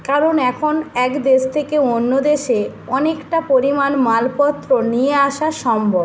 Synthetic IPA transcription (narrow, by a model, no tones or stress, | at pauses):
kaɾonɛkʰonɛkd̪eʃt̪ʰekeonːod̪eʃe | ɔnekʈapoɾimanmalpɔt̪ːɾonieaʃaʃɔmbʱob